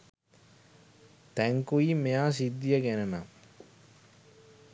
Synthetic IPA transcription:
t̪æŋkuimejaːs̬id̪ːijəɡenəma

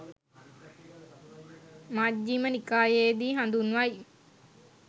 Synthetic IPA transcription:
mad͡ʒːimənikaːjeːd̪iːɦand̪unʋaj

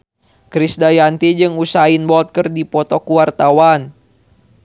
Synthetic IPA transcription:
kɾisdajant̪id͡ʒɨŋusainbɔlt̪̚kərdipɔt̪ɔkuwart̪awan

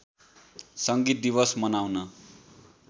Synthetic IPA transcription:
sʌŋɡit̪̚d̪ibʌsmʌnawnʌ

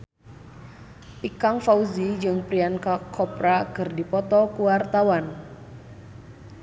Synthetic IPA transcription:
ʔikaŋfauzid͡ʒɨŋpɾiankakʰɔpɾakɨrdipɔt̪ɔkuwart̪awan

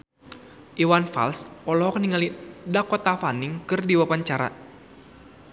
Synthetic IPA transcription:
ʔiwanfa̰lsʔɔlɔɦɔk̚niŋalidakɔt̪afaniŋkɨrdiwapaɲt͡ʃaɾa̰

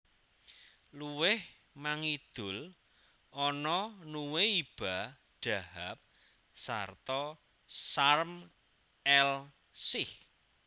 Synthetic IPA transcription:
luwɪh | maŋid̪̥ʊl | ʔɔnɔnuweib̥a | ɖ̥a̤hap̚ | sa̰rt̪ɔ | sarm | ɛl | sɪh

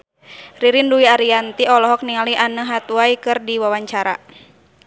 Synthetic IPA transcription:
riɾinduiaɾiant̪iɔlɔɦɔk̚niŋaliʔanəɦat̪uaikɨrdiwawaɲt͡ʃaɾa̰

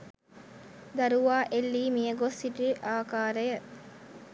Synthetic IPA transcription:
d̪ɐɾuʋaːʔelːiːmijəɡosːiʈiʔaːkaːɾəjə

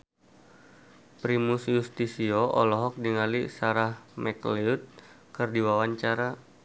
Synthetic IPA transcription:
pɾimusjust̪isiɔʔɔlɔɦɔk̚diŋalisaɾahmɛkliut̪̚ | kɨrdiwawaɲt͡ʃaɾa

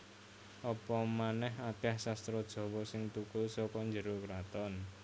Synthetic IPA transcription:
ʔɔpɔmanɛɦat̪ahsast̪ɾɔd̥ʒ̥ɔ̤wɔsɪŋt̪ukʊlsɔkɔɲd͡ʒəɾokɾat̪ɔn

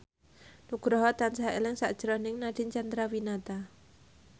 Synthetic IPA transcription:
nuɡ̥ɾɔɦɔt̪ansaelɪŋsaʔd̥ʒ̥ɾɔnɪŋnaɖ̥iɲt͡ʃand̪ɾawinat̪a

